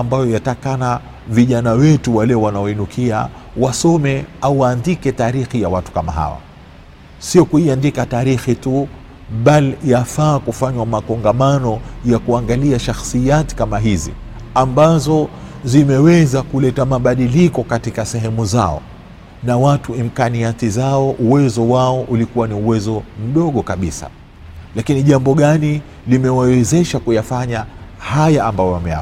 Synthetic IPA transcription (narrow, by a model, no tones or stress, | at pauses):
ambajɔjatakana | viʄanawɛtuwalɛwanaɔinukʰia̰ | wasɔmɛauwaːndikɛtaːɾixijawatu̥kama̰ɦa̰wa̰ | siɔkuiandikataːɾixitu | ɓalijafaːkufaɲwamakɔŋɡamanɔjakuaŋɡaliaʃaxsijati̥kamaɦizḭ | ambazɔ | zimɛwɛzakulɛtamaɓaɗilikɔkatikasɛɦɛmuza̰ɔ̰ | nawatuim̩kaniat̪izaɔʔuwɛzɔwaɔʔulikuwaniuwɛzɔm̩ɗɔɠɔkaɓisa̰ | lakiniʄambɔɠani | limɛwawɛzɛʃakujafaɲahajaːmbajɔjamɛja̰